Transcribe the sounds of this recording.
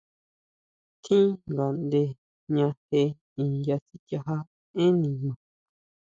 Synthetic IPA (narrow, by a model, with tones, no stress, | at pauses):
t̪ʰĩ˦ŋɡa˨nd̪e˧ | ɲã˧he˧ | ĩ˨˧nja˧si˦t̪ja˧ɦa˦ | ẽ˦nĩ˧˨mã˨